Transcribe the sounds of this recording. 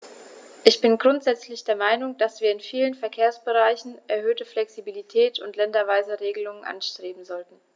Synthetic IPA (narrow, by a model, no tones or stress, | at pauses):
ʔɪçb̥ɪnɡʁʊntz̥ɛt͡slɪçd̥eːɐmaɪnʊŋd̥asv̥iːɐɪnfiːlənfɛɐkʰeːɐsb̥əʁaɪçn̩ʔɛɐɦøːtəflɛksibilitʰɛːtʰʊntlɛndɐvaɪzəʁeːɡəlʊŋənʔa̰nʃtʁ̥eːbm̩zɔltn̩